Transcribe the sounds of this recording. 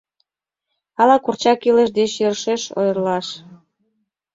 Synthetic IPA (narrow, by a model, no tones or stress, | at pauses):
ɑlɑkurt͡ɕɑkiləʃd̪et͡ɕjørʃeʃo̰jərlɑʃ